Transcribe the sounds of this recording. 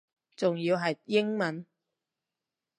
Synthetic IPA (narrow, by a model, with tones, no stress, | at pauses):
t͡sʊ˨ŋjiː˧wɦɐ˨jjɪ˥ŋmɐ˨˥n